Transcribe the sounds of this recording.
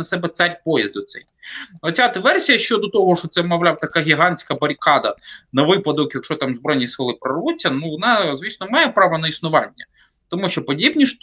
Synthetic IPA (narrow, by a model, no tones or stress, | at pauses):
ɐsɛbɛt̪sɑɾʲpɔjɐ̰zd̪ʊt̪sɛ̰j | ɔt͡sʲad̪ʋɛrsʲijɐʃt͡ʃɔd̪ɔt̪ɔɦɔʃɔt̪sɛmɔʋlʲɑwt̪ɐkɑɦʲiɦɑnʲsʲkɐbɐɾʲkɑd̪ɐnɐʋɪpɐd̪ɔkjɐkʃɔt̪ɑmzbɾɔjnʲisɪlˠɪpɾɐrʋut͡sʲːɐnuʋɔnɑzʲʋʲisnɔmɑjɛpɾɑʋɐnɐisnʊʋɑnʲːɐ | t̪ɔmuʃt͡ʃɔpɔdʲibnʲiʃ